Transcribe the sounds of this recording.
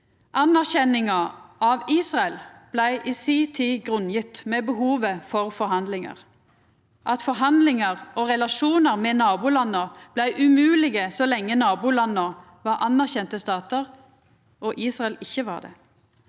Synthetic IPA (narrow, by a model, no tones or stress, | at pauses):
ʔɑnæʁçɛnɪŋɑɑʋiːsʁɑɛlb̥læɪʔisiːt̪ʰiːɡʁʉnjɪt̪meːbəhuːʋəfɔʁfɔɾhɑnd̪lɪŋə̰ʁ | ʔɑt̪fɔʁɦɑnd̪lɪŋəʁoːʁɛlɑʃuːnəʁmɛːnɑːbuːlɑnːəb̥læɪʔʉmʉːlɪɡəsɔlɛŋːənɑːbuːlɑnːo | ʋɑʁʔɑnæʁçɛnt̪əst̪ɑːt̪əʁ | ʔoːʔiːsʁɑɛlɪçːəʋɑ̰ːʁd̪ḛː